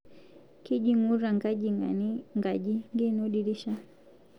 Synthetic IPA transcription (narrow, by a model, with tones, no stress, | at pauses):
ki˦ʄi˦ŋu˦ɾa˨ŋɡa˦ʄi˨a̰nŋɡa˨ʄi˦ŋɡi˦nɔɗi˨ɾi˦ʃa˦